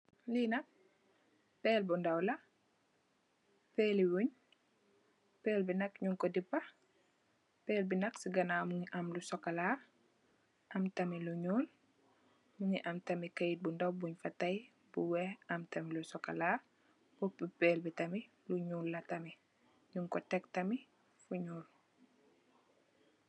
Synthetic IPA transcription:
linɐk̚ | pɛːlbundɐwlɐ | pɛːliwuɲ | pɛːlbinɐkɲuŋkɔdipːɐ | pɛːlbinɐksiɡɐnaːmuŋiʔɐmlusɔkːɐlaː | ʔɐmtɐmiluɲuːl | muŋiʔɐmtɐmikɐjit̚bundɐwbuɲfɐtɐj | buwɛʔɐmtɐmilusɔkɐlaː | bɔpipɛːlbitɐmi | luɲuːlːɐtɐmi | ɲuŋkɔtɛk̚tɐmi | fuɲuːl

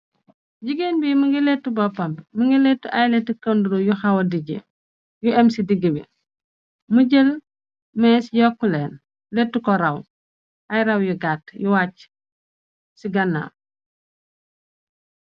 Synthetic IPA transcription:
ɟiɡeːnbimuŋɡilɛtːubɔpɐmbmuŋɡilɛtːuʔajlɛtːukɐnduɾojuxɐwɐdiɟḛ | juɛmsidiɡəbḭ | muɟel | mɛːsjɔkːulɛːn | letːukɔɾɐw | ʔɐjɾɐwjuɡaːtjuwaːc | siɡɐnːa̰ː

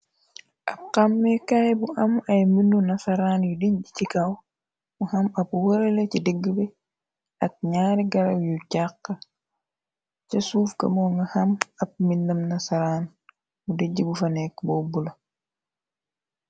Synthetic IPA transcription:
ʔɐp̚qamːɛkajbuʔɐmɐjminːunɐsɐɾaːnjudiɟicikaw | muhɐmɐpuwɐɾelecidiɡːbɛ | ɐk̚ɲaːɾiɡɐɾɐwjucaqːɐ | cɐsuːfkɐ̰moŋɡɐhɐmɐp̚minːɐmnɐsɐɾaːn | budiɟibufɐnɛkbɔːbulɐ

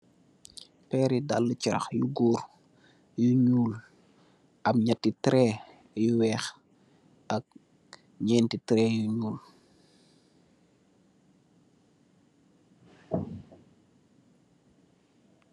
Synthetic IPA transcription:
pɛːɾida̰lːət͡ʃiɾɐ̰xjuɡuːɾ | juɲuːl | ʔɐmɲɐtːitɾɛ | juwɛːx | ɐk̚ | ɲɛːntitɾɛːjuɲuːl

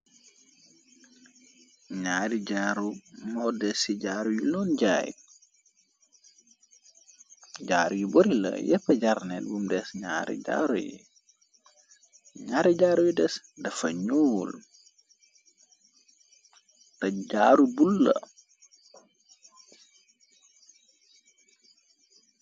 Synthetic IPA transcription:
ɲaːɾiɟaːɾumɔdɛsiɟaːɾujilɔːnɟaːjḭ | ɟaːɾujiboɾilɐ̰jɛpːɐɟaɾnelbumdɛsɲaːɾḭɟa̰ːɾṵjḭ | ɲaːɾiɟaːɾujidɛs | dɐfɐɲuːl | tɐɟaːɾubulːɐ̰

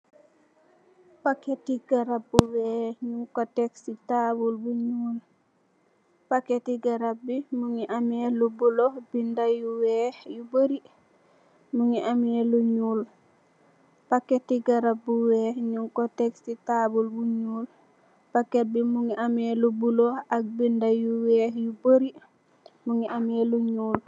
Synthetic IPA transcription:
paketiɡaɾab̚buweɲuŋkoteksitabulbuɲuːl | paketiɡaɾap̚bimuŋiʔamelubulohbindajuwehjubəɾi | muŋiʔameluɲuːl | paketiɡaɾap̚buweːhɲuŋkotekstitabulbuɲuːl | paket̚bimuŋiʔamelubulohak̚bindajuweːhjuboɾi | muŋiʔameluɲuːl

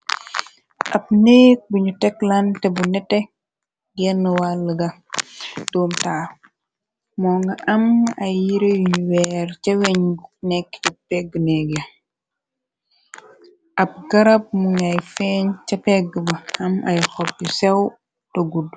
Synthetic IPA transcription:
ʔɐp̚nɛːk̚buɲutɛklantɛbunɛtːɛ | ɡɛnːəwalːəɡɐ | dɔːmtaː | mɔːŋɡɐʔɐmɐjjiɾeuwɛːɾcɐwɛɲnɛkːt͡ʃɐpɛɡːənɛɡi | ʔɐp̚ɡɐɾɐp̚muɲɐjfɛɲt͡ʃɐpɛɡəbɐɐmʔɐjxɔp̚ːisɛw | toɡud

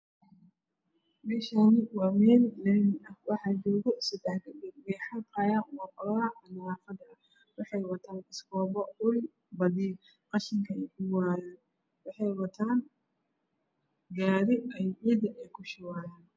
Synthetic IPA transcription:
mɛːʃaːnɪwɑːmɛːllɛnɪɐhwɑħɑːd͡ʒɔːɣɔsɐd̪ɛħkʰɪdɪwɛjħɑbaːjaːnwɑːqɐlɐɐʔɐnaːfɐd̪ɐɐ | wɑħɑjwɐt̪ʰaːnɪskɔːbɔʊlɪ | bɐdiː | qɑʃɪŋkʰɐɛjkʰʊwaːjaːn | wɑħɑjwɐt̪ʰaːn | ɡaːɾɪɐjʕiːd̪ɐʔɛjkʰʊʃɪwaːjaːn

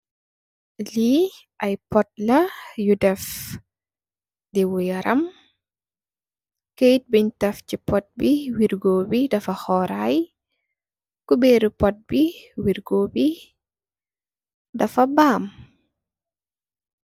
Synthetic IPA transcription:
li | ʔɐjpɔt̚lɐjudɛf | dɛwɔjɐɾʔɐm | kejt̚biɲtɐfcipɔt̚biwiɾɡoːbidɐfɐhɔːɾaj | kubɛːɾupɔt̚biwiɾɡoːbi | dɐfɐbaːm

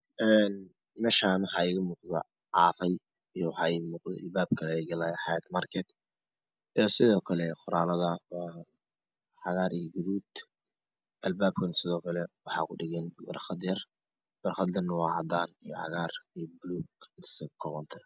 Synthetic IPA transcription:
ʔɛːn | mɛːʃamɑħɑːiɣɐmuːqðɐ̰ | ʕɑːfɐj | ijwħɑiɣmuːqd̪ɛ̰albaːb̚kʰɐlɛjɡɐlaːjħɑjɐt̪markʰɛd̪ | ijɔsɪðɔːkʰɐlɛqʊɾaːlɐðɐw | ħɑɣaːɾijɡʊðuːd̪ | ʔɐlbaːbkʰʊnsɪðɔːkʰɐlɛwɑħɑ̰ːkʰʊɖɪɣɛnbɐ̰rχɐd̪jɐr | b̥ɐrχɑd̪lɐnʊwɑːʕɑ̰d̪aːnijɔħɑ̰ɣaːrijbluːɡnɪsɐkʰɔʁɔnt̪ʰɐ

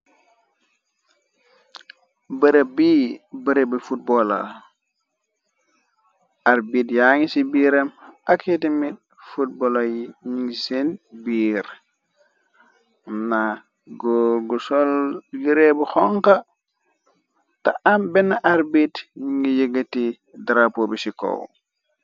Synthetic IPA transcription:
bəɾebiːbəɾebifut̚bola̰ | ʔaɾbiːtjaŋisibiɾɐmakʰetimit̚ | fut̚bolojiɲiŋɡisenbiːɾ | na | ɡoɡusolɡiɾebuxɔŋka | taʔambɛnːaʔaɾbitɲiŋɡijəɡəti | dɾapobisiko̰w

